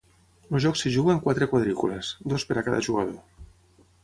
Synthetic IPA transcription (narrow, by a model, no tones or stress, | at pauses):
lozʒɔksiʒuɣəŋkwat̪ɾekwaðɾikulesd̪ospəɾakaða̰ʒuɣað̞o